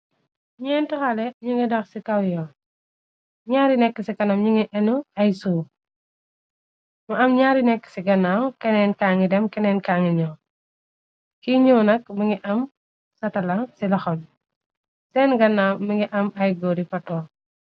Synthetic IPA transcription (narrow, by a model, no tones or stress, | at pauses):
ɲɛntɔxɐlɛɲuŋɡidɐxsikɐwjɔ | ɲaːɾinɛkːəsikɐnɐmɲuŋiʔɛnuɐjsuː | mɐɐmɲaːɾinɛkːə̥siɡɐnːawkɛnɛnkaŋidɛmkɛnɛnkaŋiɲɔ | kiɲɔːnɐk̚mɐŋiʔɐm | sɐtɐlɐsilɐxɔn | sɛnɡɐnːawmɐŋɡiʔɐmɐjɡɔɾifɐtɔː